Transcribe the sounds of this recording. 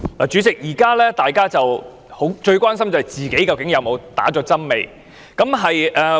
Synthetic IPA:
laː˨t͡ʃyː˨˧t͡sɪ˨k̚jiː˨˩kaː˥lɛː˥t̪aː˨jkaː˥t͡sɐ˨w | ho˨˥wt͡ʃɵ˧ɥkʷaː˥ns̬ɐ˥mt͡sɐ˨hɐ˨˩jt͡siː˨˩ke˨˥jkɐ˨˧wkɪ˨˥ŋjɐ˨˧wmo˨˧wt̪a̰ː˨˥t͡ʃɔː˨˥t͡sɐ˥nme˨j | kɐ˨˥mɦɐ˨jʔɛː˨˧

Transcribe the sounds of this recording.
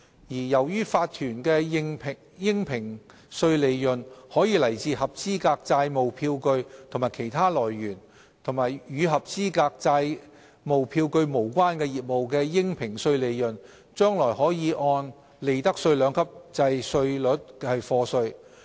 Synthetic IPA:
jiː˨˩jɐ˨˩wjyː˥faː˧t̚t̪ʰyː˨˩nkɛː˧ɪ˥ŋpʰ | jɪ˥ŋpʰɪ˨˩ŋ | sɵ˧ɥle˨˧jːɵ˨˩nhɔː˨˥jiː˨˧lɐ˨˩jt͡siː˧hɐ˨p̚t͡siː˥kaː˧k̚t͡saː˧jmo˨wpʰiː˧wkɵ˧ɥt̪ʰo˨˩ŋmaː˨˩jkʰe˨˩jt̪ʰaː˥lɔː˨˩jːyː˨˩n | t̪ʰo˨˩ŋmaː˨˩jjyː˨˧ɦɐ˨p̚t͡siː˥kaː˧k̚t͡saː˧j | mo˨wpʰiː˧wkɵ˧ɥmo˨˩wkʷaː˥nkɛː˧jiː˨˩t̚mo˨wk̬ɛː˧jɪ˥ŋpʰɪ˨˩ŋsɵ˧ɥle˨˧jjɵ˨˩n | t͡ʃœː˥ŋlɔː˨˩jhɔː˨˥jiː˨˧ʔɔː˧n | le˨˧jt̪ɐ˥k̚sɵ˧ɥlœː˨˧˥ŋkʰɐ˥p̚t͡sɐ˧jsɵ˧ɥlɵ˨˥t̚hɐ˨jfɔː˧sɵ˧ɥ

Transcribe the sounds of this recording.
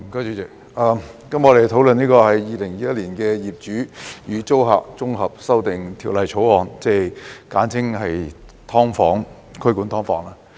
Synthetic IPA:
m̩˨˩kːt͡ʃyː˨˧t͡sɛ˨˩k | aː˨˧kɐ˨˥mŋɔ˨˧ɾe˨˩jt̪ʰo˨˥wlɵ˨niː˥kɔː˧hɐ˨jːiː˨˧lɪ˨˩ŋjiː˨jɐ˥t̚liː˨˩nkɛː˧jiː˨˩p̚t͡ʃyː˨˥jyː˨˧t͡so˥wɦa̰ː˨k̚t͡sʊ˥ŋɦɐ˨p̚sɐ˥wt̪ɪ˨ŋt̪ʰiː˨˩wlɐ˨jt͡ʃʰo˨˥wɔː˨nt͡sɛ˧˩jkaː˨˥nt͡sʰɪ˥ŋhɐ˨j | t̪ʰɔː˥ŋfɔː˨˥ŋ | kʰkuː˨˥nt̪ʰɔː˥ŋfɔː˨˥ŋlaː˥

